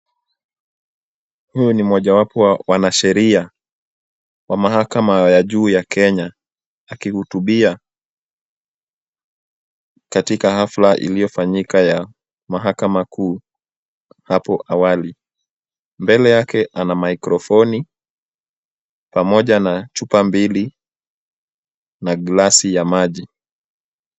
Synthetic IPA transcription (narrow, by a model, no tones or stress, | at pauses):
hujɔnimɔʄawapɔwawanaʃɛɾia | wamahakamajaʄuːjakʰɛɲa | akihutuɓia | katikahaflaʔḭlijɔfaɲikaja | maɦakamakuː | hapɔʔawali | mbɛlɛjakɛʔanamaikɾɔfɔni | pamɔʄanat͡ʃupambili | naɠlasijamaʄi